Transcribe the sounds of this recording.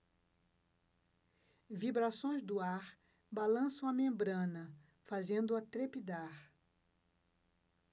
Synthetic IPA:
vibɾasõj̃zd̪ʊaɾ | balɐ̃sɐ̃w̃ɐmẽmbɾɐ̃nɐ | fazẽnd̪ʊɐt̪ɾepid̪aɾ

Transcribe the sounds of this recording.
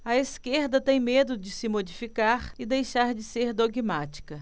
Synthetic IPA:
ɐeskeɾd̪ɐt̪ẽj̃med̪ʊd͡ʒɪsɪmod͡ʒifikaɾɪd̪ejʃaɾd͡ʒɪseɾd̪oɡmat͡ʃi̥kɐ

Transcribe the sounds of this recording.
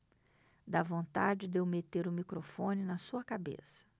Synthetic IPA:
d̪avõnt̪ad͡ʒɪd̪ewmet̪eɾʊmikɾofõnɪnɐsuɐkabḛsɐ̥

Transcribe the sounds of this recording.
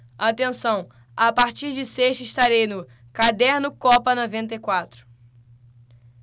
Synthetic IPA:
at̪ẽsɐ̃w̃ | apaɾt͡ʃiɾd͡ʒɪseʃt̪ɪʃt̪aɾejnʊ | kad̪ɛɾnʊkɔpɐnɔvẽnt̪ejkwat̪ɾʊ̥

